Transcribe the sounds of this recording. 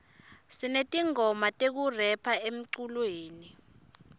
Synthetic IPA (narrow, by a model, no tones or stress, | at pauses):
sinetʼiŋɔmatʼek̬urɛpʰaem̩ǀulweːni